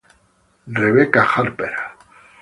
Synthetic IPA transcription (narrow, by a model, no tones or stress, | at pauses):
reβekaχaɾpeɾa